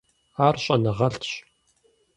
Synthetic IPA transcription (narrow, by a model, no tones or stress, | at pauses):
aːrɕʼɐnɨʁɐɬtʰɕ